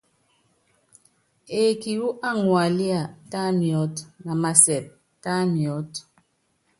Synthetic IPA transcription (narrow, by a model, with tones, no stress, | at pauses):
e˨ki˨wu˦ʔa˦ŋwa˨li˦a˨ta˦mjɔ˨˦tna˨ma˨sɛ˨p̚ | ta˦mjɔ˨˦t